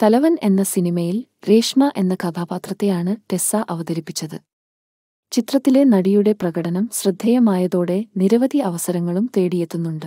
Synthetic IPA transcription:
t̪ɐlɐʋɐne̞nːɐsinimɐjil | reːʂmɐʔe̞nːɐkɐbʱaːbaːt̪rɐt̪ːe̞jaːɳɨʈe̞saʔɐʋɐðɐɾipːit͡ɕːɐðɨ | t͡ɕit̪rɐt̪ːile̞nɐɽijuɽe̞prɐɣɐɽɐnɐmɕrɨd̪ʱːɐjɐmaːjɐðo̞ːɽe̞niɾɐʋɐd̪ʱiɐʋɐsɐɾɐŋːɐɭumt̪e̞ːɽije̞t̪ːunːuɳɖɨ

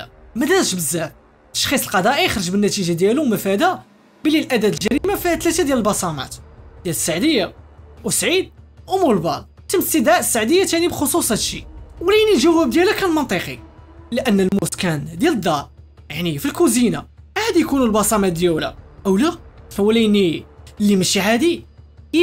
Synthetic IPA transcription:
mæd̪æɾʃbəzːæf | ʃxisˤəlqɑd̪ˤɑʔijəxɾəʒbənːæt̪iʒad̪jæluwməfæd̪a | bəlːilʔæd̪æd̪əlʒæɾimafihæt̪læt̪æd̪jæləlbɑsˤɑmæ̰t̪d̪̥jæləsːaʕd̪əjːawəsʕid̪̚ʔʊmulbɑ̰d̪̚ˤt̪əmstid̪aʔəsːaʕd̪əjːat̪æʕnibxosˤusˤæʃḭwlænilʒæwæb̚d̪jælækænlmɑnt̪ˤeqḭ | ləʔənːəlmʊskænd̪jæləd̪ˤːɑɾˤ | jaʕnifilkuzina̰hæd̪jkunulbɑsˤɑmæt̪̚d̪jæwlæ̰ʔəwlæfæwlæniəlːiməʃihæd̪i

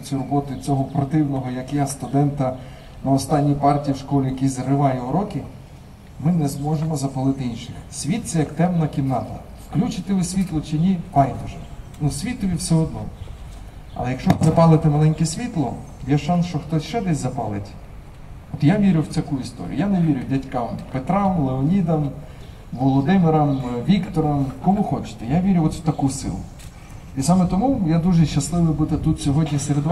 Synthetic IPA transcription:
t͡sʲuɾɔbɔt̪ʊjt͡sʲɔɦɔpɾɔt̪ɪwnɔɦɔjɐkjast̪ʊd̪ɛnt̪ɐ | nɐɔst̪ɑnʲːijpɑrtʲiiwʃkɔlʲɪjɐkʲijzɐrɪʋɑjɛɔɾɔkʲɪ | mɪnɛzmɔʒemɔzɐpɐlˠɪt̪ɪinʃɪsʲʋʲit̪̚sɛjɐkt̪ɛmnɐkʲinnɑt̪ɐ̰ | wklʲut͡ʃɪt̪ɪʋɪsʲʋʲit̪lˠɔt͡ʃɪnʲibɑjʲt̪eʒɛnusʲʋʲit̪ːɔbʲiwsʲɛɔd̪nɔ | ɐ̰lˠɛjɐkʃt͡ʃɔzɐpɑlˠɪt̪ɪmɐlˠɛnʲkɛsʲʋʲit̪lˠɔ | jɛʃɑnsʃt͡ʃɔxt̪ɔsʲʃt͡ʃɛd̪ɛsʲzɐpɑlˠɪtʲ | ɔt̪jaʋʲiɾʲʊwt͡sʲɐkuist̪ɔ̰ɾʲḭj̰janeʋʲiɾʲʊdʲɐtʲkɑmpet̪ɾɑmlˠeɔnʲid̪ɐm | ʋɔlˠɔd̪ɪmɪɾɐmʋʲikt̪ɔɾɐmkɔmuxɔt͡ʃɪ̥t̪ɛjaʋʲiɾʲʊʋɔt̪t̪ɐkusɪ̰lˠʊ̰ | isɑmet̪ɔmujad̪uʒɛʃt͡ʃːɐslˠɪʋɪbut̪ɪt̪ut̪sʲɔɦɔdʲnʲiseɾed̪

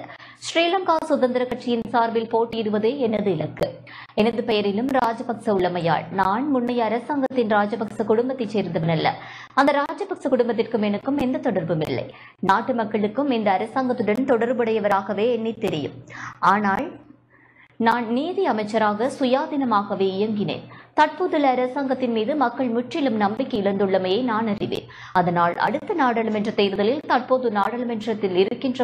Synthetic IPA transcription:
sreːlɐŋkaːsʊðɐnd̪ɪɾɐkɐʈrɪjɪnsaːɾbɪlpoːʈːɪjɪɽɯʋɐðeːɛnːɐðɯɪɭɐkːɯ | ɛnɐðɯpɛjɐɾɪlɯmɾaːd͡ʒɐpɐksɐʊɭːɐmɐja̰ːɭnaːɳmʊɳːɐjɐːɾɐsaːŋɡɐt̪ːɪnɾaːd͡ʒɐpɐksɐkʊɽʊmbɐt̪ːɐɪt͡ʃːeːɾɯnd̪ɐʋɐnɐlːɐ̰ | ɐnd̪ɐɾaːd͡ʒɐpɐksɐkʊɽʊmbɐt̪ːɪrkɯmɛnɯkːɯmɛnd̪ɐt̪ɔɽɐɾbɯmɪ̰lːɐ̰ɪ | naːʈːɯmɐkːɐɭɯkːɯmɛnd̪ɐːɾɐsaːŋɡɐt̪ːɯɽɐnt̪ɔɽɐɾbɯɽɐjɐʋɐɾaːɣɐʋeːɛnːit̪ːɛɾɪ̰jɯ̰maːnaːɭ | naːnniːðiɐmɐɪt͡ʃːɐɾaːɣɐsʊjaːðɪnɐmaːɣɐʋeːɪjɐŋɡɪnḛːnt̪ɐʈ̚poðɯlɐɾɐsaːŋɡɐt̪ːɪnmiːðɯmɐkːɐɭmʊʈrɪlɯmnɐmbɪkːɐɪɭɐnd̪ɯɭːɐmɐjɐɪnaːnɐɾɪʋḛː | ɐðɐnaːɭʔɐ̰ɽɯt̪ːɐnaːɽɐɭɐmɛndrɐt̪eːɾɐðɐlɪlt̪ɐʈ̚poːðɯnaːɽɐɭɐmɛndrɐt̪ːɪlɪɾɯkːɪndrɐ

